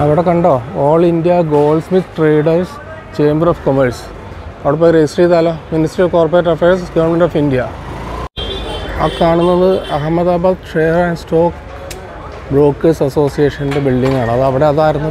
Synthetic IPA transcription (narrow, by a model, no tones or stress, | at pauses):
ɐʋiɽe̞kɐɳɖo̞ːoːɭindijɐɡo̞ːlsmit̪ʈreːɖɐrs | t͡ɕeːmbɐɾoːfkomɐɾs | ɐʋiɽepːoːjɾed͡ʑisʈriːðaːloːminisʈrioʋko̞ːrpɐɾeɐʈːɐfeːɾsɡɐʋɐɳmeɳnɖoːfindijɐ | ɐ̰kaːɳunːɐðɨɐɦɐmːɐðaːbaːd̪ʈreːɐɾæɳɖstoːk | bɾo̞ːkːɐsɐso̞ːsijeːʂɐnɖebilɖiŋɡaːɳɨɐðɐʋiɽe̞ɐðaːjiɾunːu